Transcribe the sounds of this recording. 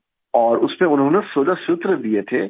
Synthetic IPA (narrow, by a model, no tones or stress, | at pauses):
ɔːɾʊsmẽʊnɦõːnesoːlasʊt̪ɾəd̪iet̪ʰeː